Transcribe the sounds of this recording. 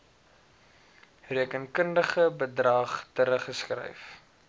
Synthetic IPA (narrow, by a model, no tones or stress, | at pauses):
riəkənkəndəχəbədrɐːχtəɾəχəskrɛ̰jf